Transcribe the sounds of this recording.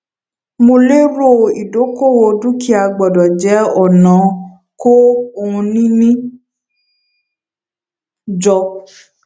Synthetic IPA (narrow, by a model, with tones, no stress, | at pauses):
mo˧le˦ɾo˦˨i˨do˨˦ko˦˨wo˧dũ˦ki˦a˧ɡ͡bɔ˨dɔ˨d͡ʒɛ˨˦ɔ˦˨nã˨˦ | ko˦˧ũ˧nĩ˦nĩ˦ | d͡ʒɔ˧